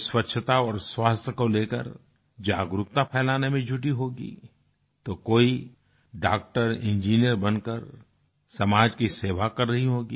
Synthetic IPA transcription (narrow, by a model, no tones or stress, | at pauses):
swətːʃʰət̪aɔːɾswaːst̪ʰəkoleːkə̰ɾ | d͡ʒaːɡɾʊk̚t̪apʰɛːlaːnemẽd͡ʒʱʊʈiɦoːɡḭː | t̪okoːi | ɖa̰ːk̚ʈəɾɪ̃nd͡ʒiːnijəɾbɐnkəɾ | sɐmaːd͡ʒkiseːʋakɐɾːɐɦiɦoːɡiː